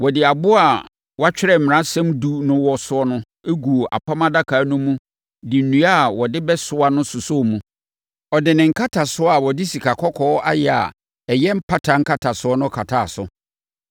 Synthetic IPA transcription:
wɔ˨dɪ˨a˨bʊ˦a˨ | wɔ˦a˦t͡ɕᶣɪ˦ɾɛ˦˨m̩˨mɪ̃˨ɾã˦sɛ̃˦mdu˦nʊ̃˦wɔ˦sʊ˦ɔ˦nʊ̃˦ | e˦ɡu˨o˨ʔa̰˨pʰa˦mã˦da˦kʰaː˨˦nʊ̃˦mũ˦ | dɪ˨n̩˨nũ˨˦a˦˨wɔ˨dɪ˦bɛ˦sʊ˨˦a˦nʊ̃˦sʊ˨sɔ˦˨mũ˦ | ɔ˨dɪ˨nɪ̃˨ŋ̩˨kʰa˦tʰa˨sʊ˦a˨wɔ˨dɪ˦si˨kʰa˨kʰɔ˦kʰɔː˦a˦jɛ˨a̰˨ | ɛ˨jɛ˦m̩˦pʰa˦tʰa˨ŋ̩˦kʰa˦tʰa˨sʊ˨˦ɔ˦nʊ̃˦kʰa˨tʰa˨sʊ̰˨

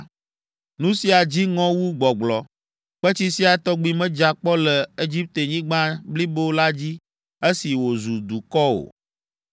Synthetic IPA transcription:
nũ˦si˦a˨d͡ʑi˦ŋɔ̃˦wu˦ɡ͡bɔ˨ɡ͡blɔ˨ | ɸɛ˦t͡ɕi˦si˦a˨t̪ɔ˦ɡ͡bi˦mɛ̃˦d͡ʒa˨k͡pɔ˦lɛ˨e˦d͡ʒi˦p̚t̪e˨ɲĩ˦ɡ͡bã˦bli˦bo˦la˦d͡ʑi˦ | e˦si˨wo˨zu˨d̪u˨kɔ˦o̰˨

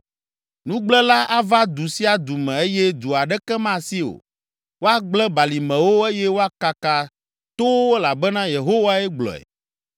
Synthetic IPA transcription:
nũ˦ɡ͡blɛ˦la˦ʔa˦va˦d̪u˨si˦a˨d̪u˨mɛ̃˨e˦jɛ˦d̪u˨a˨ɖɛ˦kɛ˦mã˦˨si˦o̰˨ | wo˦a˦ɡ͡blɛ˦ba˨li˨mɛ̃˨wo˦e˦jɛ˦wo˦a˦ka˨ka˨ | t̪o˦wwo˦la˨bɛ˦nã˦je˨ɦo˦wa˦ɛ˦ɡ͡blɔ̰˨ɛ̰˨

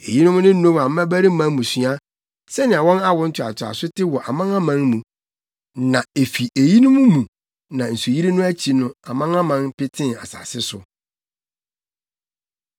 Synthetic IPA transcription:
ḛ˨ji˦nʊ̃˦mʊ̃˦nɪ̃˦n̩˦õ˦m˨a˨m̩˦mæ̃˦bæ˦ɾɪ˦m̩˦mã˦mũ˨sɥa˦ | sɛ˦nɪ̃˨a˨wɔ̃˦na˦wʊ˦n̩˦tʰʊ˨a̰˨tʰʊ˨a̰˨sʊ˦tʰɪ˦wɔ˨ʔa˨mã˦ŋã˦mã˦nmũ˨ | nã˨e˨fi˨ʔe˨ji˦nʊ̃˦mʊ̃˦mũ˨ | nã˨n̩˨su˨ji˦ɾi˦nʊ̃˦æ˦t͡ɕʰi˨nʊ̃˦a˨mã˦ŋã˦mã˦npɪ˦tʰɪ̃˦na̰˨sa̰˨sɪ˦sʊ˨

